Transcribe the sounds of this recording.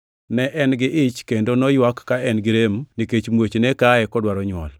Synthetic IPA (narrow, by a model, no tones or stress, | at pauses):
nɛʔɛnɡɪʔɪt͡ʃkendonɔjwakːaɛnɡɪɾemniket͡ʃmwot͡ʃnekaɛkɔdwaɾɔɲwɔ̰l